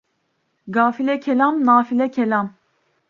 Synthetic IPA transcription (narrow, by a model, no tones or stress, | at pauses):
ɡaːfilɛkʰɛlamnaːfilɛkʰɛlam